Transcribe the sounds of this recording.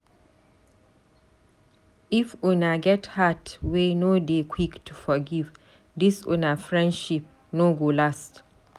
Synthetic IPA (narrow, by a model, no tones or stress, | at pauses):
ʔifʔunaɡɛthatwenodekʰwiktʰufɔɡiv | disʔṵnafɹɛ̃ndʃip̚ | noɡolast